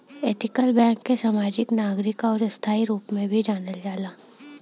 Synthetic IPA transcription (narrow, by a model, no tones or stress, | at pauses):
eːt̪ɪkəlbɛ̃ːkːesaːmaːd͡ʒɪknaːɡɾɪkɔːɾɐst̪ʰaːiɾuːpmẽbʱid͡ʒaːnəld͡ʒaːlaː